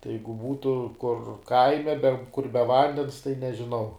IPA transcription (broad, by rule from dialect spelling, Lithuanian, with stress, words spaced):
tɐɪ ˈjɛɪɡʊ ˈbuːtʊ kʊr ˈkɐɪmʲɛ bʲɛ kʊr bʲɛ ˈʋɐnʲdʲɛns tɐɪ nʲɛʒʲɪˈnɐʊ